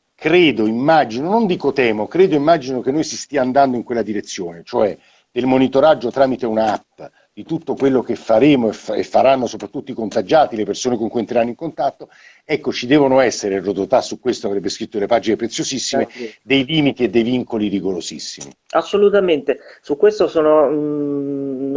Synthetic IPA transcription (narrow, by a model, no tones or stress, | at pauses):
kɾeːd̪oimːad͡ʒinonond̪iːkot̪ɛːmokɾeːd̪oimːad͡ʒinok̟enːojsist̪iːaːnd̪and̪oiŋkwelːad̪iɾet̪sːjoːnet͡ʃoɛ | d̪̥elmonit̪oɾad͡ʒːot̪ɾaːmit̪eunaapː | d̪̥it̪ut̪ːokwelːokefːaɾeːmoefḛfːaɾanːosopɾat̪ːut̪ːoikont̪ad͡ʒaːt̪ilepersoːnekoŋkujent̪ɾeɾanːoiŋkont̪at̪ːo | ɛkːot͡ʃid̪ɛːvonoɛsːeɾerod̪ot̪asːukːwest̪oavɾɛbːeskɾit̪ːodelepaːd͡ʒinepɾet̪sːjozisːimed̪ejliːmit̪ied̪ːejviŋkoliɾiɡoɾozisːḭmḭasːolut̪ament̪esukːwest̪osoːno